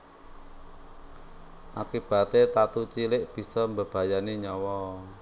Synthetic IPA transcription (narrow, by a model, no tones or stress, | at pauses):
ʔakib̥a̤t̪et̪at̪ut͡ʃilɪʔb̥i̤sɔmbəb̥a̤janiɲɔwɔ